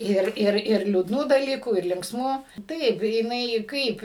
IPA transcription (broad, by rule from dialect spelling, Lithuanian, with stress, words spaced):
ˈɪr ˈɪr ɪr lʲuːdˈnuː dɐˈlʲiːkuː ɪr lʲɪŋksˈmuː ˈtɐɪp jɪˈnɐɪ ˈkɐɪp